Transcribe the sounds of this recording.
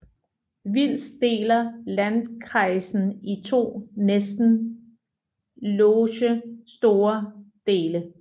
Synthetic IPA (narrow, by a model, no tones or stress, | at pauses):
ʋil̰sd̥e̝̰ːlɐlænkʰʁɑ̈ɪsn̩it͡sʰo̝̰ːnesd̥n̩ | loːɕəsd̥o̝ːɐd̥e̝ːlə